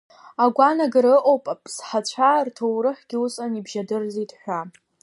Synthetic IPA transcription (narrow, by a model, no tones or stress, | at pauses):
aɡʷanaɡɨɾɨʔʼowpʼapʼsħat͡ɕʷʰartʰowɾɨħɡ̥ʲiusʼanibʒadɨrzitʼħʷᶣa